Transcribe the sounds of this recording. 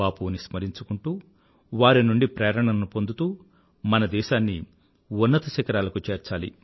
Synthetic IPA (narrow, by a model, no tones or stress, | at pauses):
aːpunismɐɾiɲt͡ʃukuɳʈuː | ʋaːɾinuɳɖipɾɛːɾɐɳɐnnupo̞nd̪ut̪uː | mɐnɐd̪ɛːʃaːnːḭ | unːɐt̪ɐʃɐkɐɾaːlɐkut͡ʃeːɾt͡ʃaːlḭ